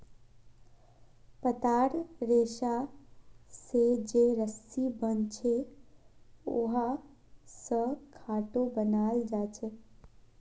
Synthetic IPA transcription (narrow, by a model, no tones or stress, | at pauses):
pət̪aɽɾeːʃa | sed͡ʒeɾəsibənt͡ʃʰe | oɦa | səkʰaːʈobənald͡ʒat͡ʃʰe